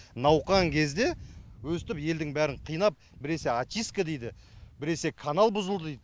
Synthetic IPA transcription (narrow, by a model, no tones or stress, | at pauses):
nɑwqɑŋkʲʰe̞zd̪e̞wɵst̪ɪpje̞ld̪ɪŋbæɾɪɴqʰijnɑp̚bɪɾe̞se̞at̪ʲijskad̪ejd̪ɪbɪɾe̞se̞kʰanɑlˠbʊzəlˠd̪əd̪ejd̪